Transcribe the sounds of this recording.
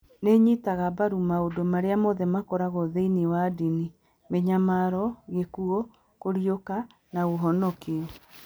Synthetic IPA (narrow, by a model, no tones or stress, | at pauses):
neɲitaɣabaɾumaodomaɾeamoðɛmakɔɾaɣoðeiniwadini | meɲamaɾɔɣekuɔ | koɾioka | naoɦɔnɔkeɔ